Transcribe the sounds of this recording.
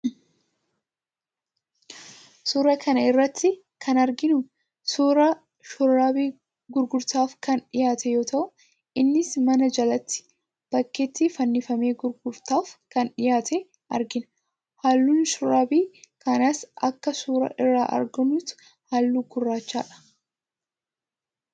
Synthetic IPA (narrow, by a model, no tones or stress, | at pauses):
suːɾɐkʰɐnɐɪrːɐt̪ːɪ | kʰɐnɐɾɡɪnʊ | suːɾɐ | ʃʊɾːaːbiː | ɡʊɾɡʊɾt̪aːfkɐnᶑɪjaːt̪ʰɛjo̞ːt̪ɐʔʊ | ʔɪnːɪsmɐnɐd͡ʒɐlɐt̪ːɪ̥ | b̥ɐkːeːt̪ːɪfɐnːɪfɐme̞ːɡʊɾɡʊɾt̪aːfkɐnᶑɪjaːt̪ʰɛ | ʔɐ̰ɾɡɪnɐ | haːlːuːnʃʊraːbiːkɐnɐsɐkːɐsuːɾɐ̰ʔɪrːaːʔɐ̰ɾɡʊnut̪ʊ̥ | haːlːuːɡʊrːaːt͡ʃːa̰ːᶑɐ̥